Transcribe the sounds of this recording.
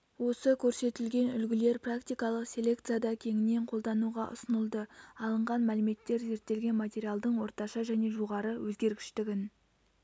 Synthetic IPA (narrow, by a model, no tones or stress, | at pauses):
wo̞səkʲʰɵɾse̞t̪ɪlɡʲe̞nʏlɡʲɪle̞ɾprakt̪ijkɑlˠəqsʲe̞lʲe̞kt̪sɨjad̪ɑkʲʰe̞ŋɪnːe̞ɴqʰo̞lˠd̪ɑnuʁɑʔʊ̰sənəlˠd̪əɑlˠəɴʁɑnmælɪme̞t̪ːe̞ɾze̞ɾt̪ːe̞lɡʲe̞nmat̪ʲe̞ɾʲijalˠd̪əɴwo̞ɾt̪ɑʃɑʒæne̞ʒoʁɑɾəwɵzɡʲe̞ɾɡʲɪʃt̪ɪɡʲɪn